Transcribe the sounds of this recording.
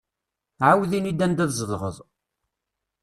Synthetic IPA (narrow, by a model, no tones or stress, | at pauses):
ʕawðinid̪ænd̪æðzəðˤʁə̰ðˤ